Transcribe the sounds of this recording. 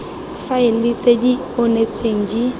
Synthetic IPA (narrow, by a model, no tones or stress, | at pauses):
faɪlɪt͡sʼedi | onet͡sʼeŋ̩d͡ʒi